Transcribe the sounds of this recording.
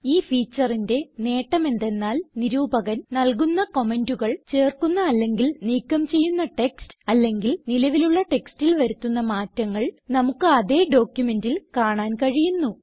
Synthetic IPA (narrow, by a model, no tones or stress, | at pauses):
iːfiːt͡ɕːɐrinde̞ne̞ːʈːɐme̞nd̪e̞nːaːlniɾuːbɐɣɐnnɐlkunːɐko̞me̞nduɣɐɭt͡ɕe̞ːrkunːɐːlːe̞ŋɡilniːkːɐmt͡ɕe̞jːunːɐʈe̞kstɨ̥ɐlːe̞ŋɡilnilɐʋiluɭːɐʈe̞kstilʋɐɾut̪ːunːɐmaːtːɐŋːɐɭnɐmukːɨɐðe̞ːɖo̞ːkjume̞ndilkaːɳaːnkɐɻijunːu